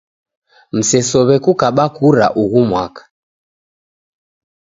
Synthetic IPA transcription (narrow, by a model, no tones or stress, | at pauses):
m̩sɛsɔβɛkukaɓakuɾa̰ʔuɣumwakḁ